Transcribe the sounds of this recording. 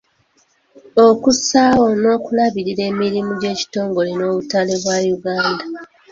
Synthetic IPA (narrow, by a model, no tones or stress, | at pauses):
okusaːwono̞ːkulaβiɾiɾe̞ːmiɾimuɟe̞ːci̥to̞ːŋɡo̞lino̞ːβutale̞βwajuɡaːnda